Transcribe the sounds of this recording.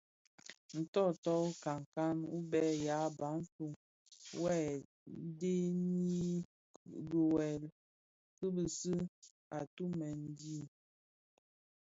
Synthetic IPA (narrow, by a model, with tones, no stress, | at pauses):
n̩˨tɔ˦˨tɔ˦ka˨ŋ˨ka˦nu˦bɛ˦ja˨˦ba˨˦n̩˦fu˨ŋ | wɛ˦˨ | de˦ni˦ | ɡə˨wɛ˨l | kə˦bə˨sə˦ | a˨tu˦mɛ˨n˨di˦˨